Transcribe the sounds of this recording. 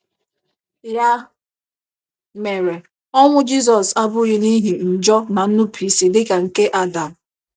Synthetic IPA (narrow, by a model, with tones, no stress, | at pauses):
ja˦ | me˨ɾe˨ | ɔ˦ŋʷʊ˦d͡ʒi˦s̬ɔ˨sa˦bʊ˦ɣɪ˦ni˦ɦi˨n̩˨d͡ʒɔ˦na˨n̩˦nʊ˦pʰi˨˦si˨dɪ˦ka˨ŋ̩˨ke˦ʔa˦da˨m̩˨